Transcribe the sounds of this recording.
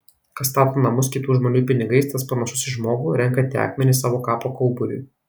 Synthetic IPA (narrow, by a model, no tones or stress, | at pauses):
kɐst̪ɑːt̪oːnɐmʊskʲɪt̪uːʒmoːnʲuːpʲɪnʲɪɡɐɪst̪ɐspɐnɐʃʊsɪʒmoːɡuːɾʲɛŋˑkɐt̪ʲːæ̰ːkmʲɛnʲɪsɑːʋoːkɑːpoːkɒʊbʊɾʲʊ̰j